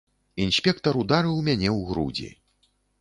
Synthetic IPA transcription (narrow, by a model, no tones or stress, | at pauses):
insʲpʲɛkt̪ɐɾud̪aɾɨwmʲanʲɛwɣɾṵd͡zʲḭ